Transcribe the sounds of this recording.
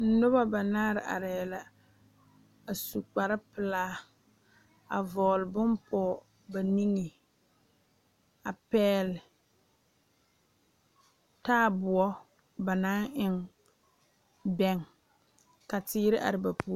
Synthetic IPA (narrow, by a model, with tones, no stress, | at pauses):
n̩˦nʊ˦ba˦ba˨naː˦ɾɪ˨ʔa̰˨ɾɛ˨la˨ | a˨su˨k͡pa˨ɾɪ˦pɪ˨laː˦ | a˨vɔː˨lɪ˨bʊ˦mpʰɔ˦˨ | ba˨ni˦ŋi˨ | a˨pɛː˦lɪ˨ | taː˦bʊ˨ɔ˦ | ba˨na˦nʔɪ˦˨ŋ | bɛ˦ŋ | ka˨tɪː˦ɾɪ˦ʔa̰˨ɾɪ˨ba˨pʰu˦